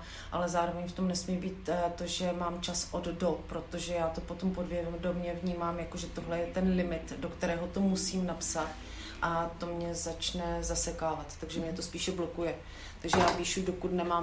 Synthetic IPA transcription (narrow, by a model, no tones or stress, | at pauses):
ʔalɛzaːɾovɛɲft̪omnɛsmiːbiːt̪t̪o̞ʒɛmaːmt͡ʃasʔoddopɾo̞t̪o̞ʒɛjaːt̪o̞po̞t̪o̞mpodvjɛvɛmdo̞mɲɛvɲiːmaːmjakoʒɛt̪o̞ɦlɛjɛt̪ɛnlɪmɪt̪dokt̪ɛɾɛːɦot̪o̞musiːmnapsat̪ | ʔat̪o̞mɲɛzat͡ʃnɛzasɛkaːvat̪ːaɡʒɛmɲɛt̪ospiːʃɛblo̞kujɛ | t̪aɡʒɛjaːpiːʃudokut̪nɛmaːm